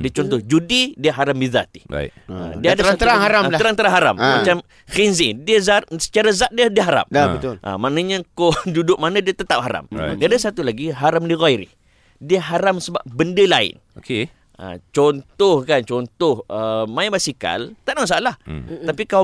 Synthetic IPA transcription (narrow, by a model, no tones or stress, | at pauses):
diət͡ʃɔnt̪ɔhd͡ʒudidiəɦaɾambiza̰t̪i̥a̰ɪ̰ə̰diəadɾat̪əɾaŋɦaɾamlat̪əɾaŋnt̪əɾaŋɦaɾa̰mmat͡ʃam | xinzidiəzat̪sə̥t͡ʃaɾazat̪̚diədiəɦaɾa̰maət̪ʔə̰manəɲakodudʊk̚manãdiət̪ət̪ap̚haɾa̰m̰diadasat̪ulaɡiɦaɾamliɣajɾḭ | diəɦaɾamsəba̰p̚bəndəlaɪ̰n | oke | ə̰t͡ʃɔnt̪ɔhkant͡ʃɔnt̪ɔhəmaibasika̰lt̪aʔmasalaht̪apika